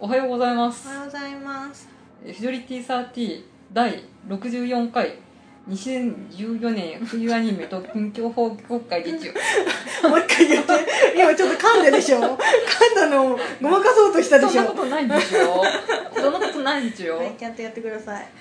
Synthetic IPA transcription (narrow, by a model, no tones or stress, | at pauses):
o̞ɦajo̞ːɡo̞zaimasɨ̥jozaimas | eɸiɾoɾʲit̪ʲiːsaːt̪ʲiː | d̪aiɾo̞kɯ̟ʑɨːjõ̞ŋkai | ɲ̟iɕiẽɲd͡ʑɨːjo̞nẽ̞ɰ̃ɸɯ̟jɯaɲ̟ime̞t̪o̞kʲĩŋkʲo̞ːho̞ːokːaid̪eit͡ɕio | mokːaiat̪ːeimat͡ɕott̪ːokãnd̪ed̪eɕoːkʰãnd̪anoɡomakaso̞ːt̪oɕi̥t̪ad̪enɕoːkot̪onaid̪esɨjod̪onːoko̞t̪o̞naid̪esɨjo̞ẽkʲat̪ːojat̪ːekɯ̟d̪asai